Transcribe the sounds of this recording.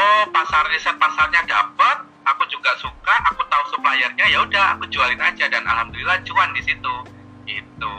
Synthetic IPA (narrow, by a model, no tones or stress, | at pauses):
ʔopasardisat̪̚pasarɲada̰pat̪̚ | akud͡ʒuɡaʔsukaʔakut̪ausəplajarɲajaudaha̰kud͡ʒualɪnad͡ʒadana̰lhamd̪ulilahd͡ʒuandisit̪u | ɡit̪̚u